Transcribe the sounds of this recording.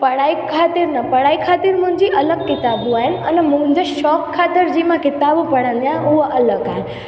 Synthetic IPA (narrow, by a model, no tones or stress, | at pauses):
pɐɽaːikʰaːt̪ɪɾnəpəɽaːikʰaːt̪ɪɾmʊ̃ɦɪ̃ɲd͡ʑiʔɐləɡkɪt̪aːbũaːɦɪnənɛmʊ̃ɦɲd͡ʒəʃɔːkʰːaːt̪ɪɾd͡ʑimãkɪt̪aːbũpɐɽə̃nd̪ijãɦuɦʔɐləɡaːɦɪn